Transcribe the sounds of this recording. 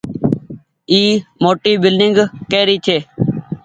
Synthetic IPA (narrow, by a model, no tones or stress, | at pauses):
iːmoːʈiːbɪlɖɪŋɡkeːɾiːt̪ʰeː